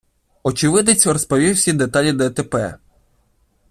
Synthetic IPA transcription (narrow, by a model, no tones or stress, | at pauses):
ɔt͡ʃɪʋɪd̪et͡sʲɾɔspɔʋʲiwsʲid̪et̪ɑlʲid̪ɐɛt̪epɛ̰